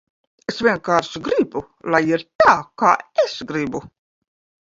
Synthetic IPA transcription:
esvʲiɛnkaːɾʃɡɾibu | lajiɾt̪aːkaːesɡɾibu

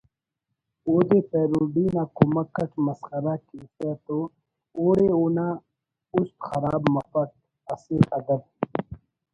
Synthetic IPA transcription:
oːd̪eːpeːɾuːɖiːnaːkumɐkɐʈmɐsxɐɾakiːseːt̪oː | oːɽeoːnaː | ust̪xɐɾaːbmɐfɐt̪̚ | ɐseːkɐd̪ɐb̪̚

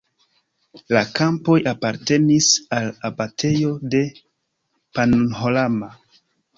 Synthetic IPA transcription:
lakampo̞japaɾte̞nisalabatʰe̞jo̞de̞ | panunɦolama

